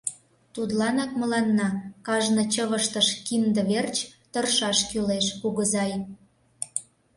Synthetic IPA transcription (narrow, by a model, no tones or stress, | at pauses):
t̪ud̪lɑnɑk̚mə̆lɑnːɑkɑʒnɤ̆t͡ɕəβəʃt̪əʃkind̪ə̆βert͡ɕt̪ə̆rʃɑʃkyleʃpuɣəzɑj